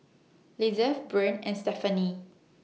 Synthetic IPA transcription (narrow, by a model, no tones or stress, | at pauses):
lizəfbɹɛ̃nɛ̃nstɛfəni